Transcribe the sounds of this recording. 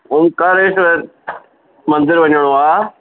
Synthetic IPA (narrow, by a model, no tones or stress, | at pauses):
ʊmkaɾeːʃʋɐɾ | mɐ̃nd̪ɪɾʋɐɲəɽ̃oaː